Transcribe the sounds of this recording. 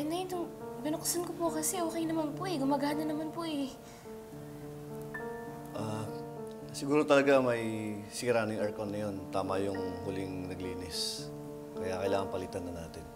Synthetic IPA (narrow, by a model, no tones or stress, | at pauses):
nɐjɪnt̪ʊŋbɐnoksɐnkopokɐsɛoːkɛjnɐmanpoʔɛɡʊmaɡaːnɐnɐmanpoʔɛ | ʔa | sɪɡuːɾot̪ɐlɐɡamɐjsɪɡɾaːnojŋɐɹkonːɐjont̪aːmɐjʊŋhʊlɪŋnɐɡliːnɪs | kɐjakɐʔɪlaːŋɐŋpɐlit̪ɐnːɐnaːt̪ɪn